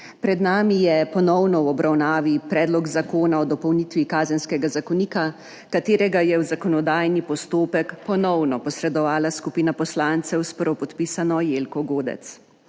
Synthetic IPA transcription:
pɾɛd̪naːmijɛpɔnɔwnɔwɔbɾawnaːʋipɾɛːd̪lɔɡzakoːnaɔd̪ɔpɔwniːt̪ʋikaːzɛnskɛɡazakɔniːka | kat̪eːɾɛɡajɛwzakɔnɔd̪aːjnipɔst̪oːpɛkpɔnɔwnɔpɔsɾɛd̪ɔʋaːlaskupinapɔslant̪sɛwspɾɔpɔt̪piːsanɔjeːlkɔɡoːd̪ɛ̰t̪s

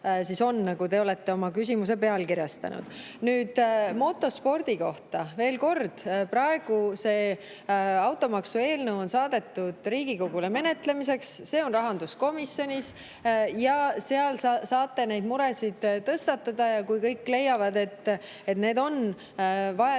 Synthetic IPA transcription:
siso̞nːɑɡud̪e̞o̞le̞t̪ːe̞o̞mɑkys̬ʲimus̬epe̞ɑlkiɾjɑst̪ɑ̰nṵd̪̥ | nyːd̪̥mo̞t̪ːo̞spo̞rd̪̥iko̞ht̪ɑve̞ːlko̞rd̪̥pɾɑe̞ɡ̥use̞ː | ɑwt̪ːˑo̞mɑksue̞ːlnəwo̞nsɑːd̪̥e̞t̪ːud̪̥ɾiːɡ̥iko̞ɡ̥uleme̞ne̞t̪ˑle̞mise̞ksːe̞ːo̞nrɑɦɑnd̪̥usko̞misjo̞nʲis | jɑseɑlɑsɑːt̪ːe̞ne̞jd̪muɾesid̪̥t̪ːɤst̪ɑt̪ːˑɑd̪̥ɑjɑkujkɤ̞jkːˑle̞jːɑvɑd̪e̞t̪ː | e̞t̪ne̞ːd̪o̞n | vɑɑ

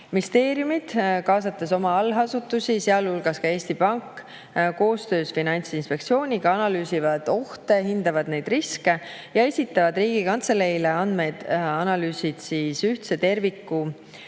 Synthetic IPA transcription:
mist̪e̞ːɾjumid̪̥kɑːsɑt̪ˑːeso̞mɑɑlɦɑsut̪ːˑusiseɑlulɡ̥ɑskɑe̞ːsʲt̪ipɑŋkːˑ | ko̞ːst̪ø̞ːsfinɑnʲt̪sinspe̞kt̪sio̞ːnʲiɡ̥ɑɑnɑlyːsivɑd̪̥o̞ht̪e̞ɦind̪̥ɑvɑd̪̥ne̞jd̪̥riske̞ | jɑe̞sʲit̪ːˑɑvɑd̪riːɡ̥ikɑnt̪selejleɑnd̪me̞jd̪̥ɑnɑlyːsid̪̥siːsyht̪se̞t̪e̞rvikːˑu

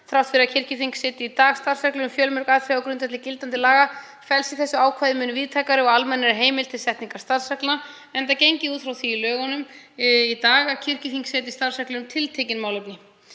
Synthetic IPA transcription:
θɾawht̪fɪɾɪɾacʰɪr̥cɪfiŋksɛːt̪ɪit̪aːɣst̪aɾ̥sɛklʏʏmfjœːlmœɾkaðfɾɪaɔwkɾʏnt̪ɛht̪lɪcɪlt̪ant̪ɪlaːɣa | fɛlsɪθɛsːʏaːwkʰvajðɪmʏːnʏviːðt̪ʰaːkaɾɪɔɣalmɛnːɪɾɪɦeːjmɪlt̪ʰɪlsɛht̪niŋkaɾ̥st̪aɾ̥sɛkla | ɛnt̪̬acejɲcɪuːt̪fɾawθviːlœːɣɔnʏmit̪aːɣacʰɪr̥cɪθiŋksɛt̪ɪst̪ar̥sɛhklʏnʏmt̪ʰɪlt̪ʰejcɪnmawlœpnɪ

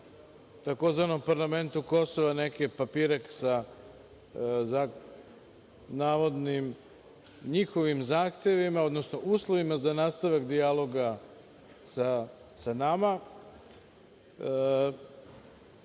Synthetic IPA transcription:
t̪ako̞zʋano̞mpaɾlˠame̞nt̪uko̞so̞ʋanekepapiːɾeksa | za | naːʋo̞d̪nim | ɲixo̞ʋimzaːxt̪e̞ʋimao̞d̪nosnoʔuːslˠo̞ʋimazanaːst̪aʋakd̪ialˠo̞ɡa | sa | sanama

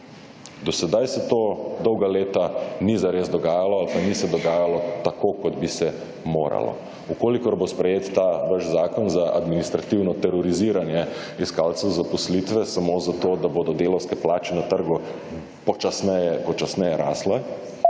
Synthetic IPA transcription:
d̪ɔsɛd̪ajsɛt̪oːd̪ɔwɡaleːt̪anizaɾeːzd̪ɔɡaːjalɔalpanisɛd̪ɔɡaːjalɔt̪akokɔd̪bisɛ | moːɾa̰lɔ̰ | ukoːlikɔɾbospɾɛjeːt̪ːaʋəʃzaːkɔnzaʔa̰d̪minist̪ɾat̪iwnɔt̪ɛɾɔɾiziːɾanjɛ | iskaːlt̪sɛwzapɔslit̪ʋɛsamozat̪oːd̪aboːd̪ɔd̪eːlɔwskɛplaːt͡ʃɛnat̪əɾɡu | pɔt͡ʃasnɛjɛpɔt͡ʃasnɛjɛɾaːslɛ

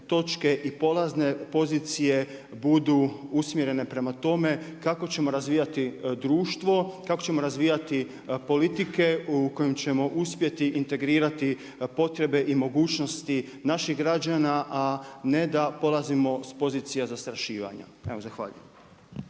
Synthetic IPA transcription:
t̪o̞t͡ʃke̞ʔipo̞lˠazne̞po̞zit̪sije̞ | bud̪uusmjeɾe̞ne̞pɾe̞mat̪o̞me̞kako̞t͡ɕe̞mo̞ɾazʋijat̪id̪ɾuːʃt̪ʋo̞kako̞t͡ɕe̞mo̞ɾazʋiːjat̪i | po̞lit̪ike̞uko̞jemt͡ɕe̞mo̞ʔuspje̞t̪iʔint̪e̞ɡɾiːɾat̪i | po̞t̪ɾe̞be̞ʔimo̞ɡuːt͡ɕno̞st̪i | naʃiɣɡɾad͡ʒanaʔane̞d̪apo̞lˠazimo̞spo̞ziːt̪sijazast̪ɾaʃiːʋa̰ɲa̰e̞ʋozaxʋa̰ːʎṵjem

